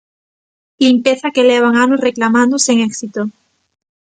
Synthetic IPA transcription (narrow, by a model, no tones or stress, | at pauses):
limpeθakeleβ̞aŋanosreklamãnd̪oseŋeksit̪o